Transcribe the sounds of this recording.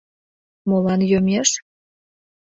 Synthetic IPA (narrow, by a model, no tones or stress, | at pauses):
molɑnjømʲeʃ